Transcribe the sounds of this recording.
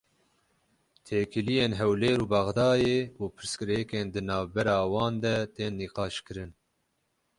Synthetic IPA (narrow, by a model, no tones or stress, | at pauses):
t̪ʰeːkʰɨlijeːnɦɛwleːɾuːbɑɣd̪ɑːjeːuːpʰɨɾskɨɾekeːnd̪ɨnɑːvbɛɾɑːwɑːnd̪ɛt̪eːnːiːqɑːʃkɨɾɨn